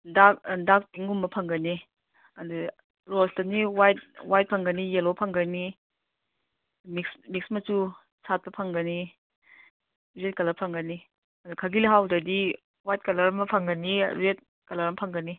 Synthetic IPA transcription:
dakdak̚piŋumbɐpʰɐŋɡɐni | ɐdu | ɾostɐniwajt̚wajt̚pʰɐŋɡɐnijelopʰɐŋɡɐni | miksmik̚smɐsu | sʰat̚pɐpʰɐŋɡɐni | ɾet̚kɐlɐɾpʰɐŋɡɐni | ɐdukʰɐɡiliɦawdɐdi | wajt̚kɐlɐɾɐmɐpʰɐŋɡɐniɾet̚ | kɐlɐɾɐmpʰɐŋɡɐni

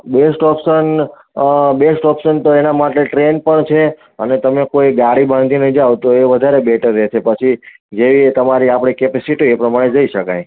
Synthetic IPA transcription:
besʈɔpʃən | besʈɔpʃənt̪oenamaʈeʈɾenpəɳt͡ʃʰe | ənet̪əmekoiɡaɽibʱãnd̪ʱinəid͡ʒaʋt̪oeʋəd̪ʱaɾebɛʈəɾːɛʃʰepət͡ʃʰi | d͡ʒeʋiet̪əmaɾiapɽ̃ikepɛsiʈiepɾəmaɽ̃ed͡ʒəiʃəkaj

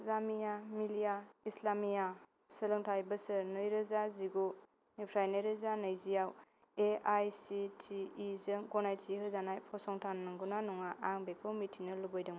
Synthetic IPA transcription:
zamijamilijaislamija | sɯlɯŋtʰajbɐsɯɾnɯjɾɯzaziɡo | nipʰɾajneɾɯzanɐjzijaw | eajsitʰiːzɯŋɡɔnajtsiɦɯzanajpʰɔsɔŋtʰannɯŋɡunanuŋaʔaŋbek̚ʰɔmitʰinɯlubɔjdɯŋm

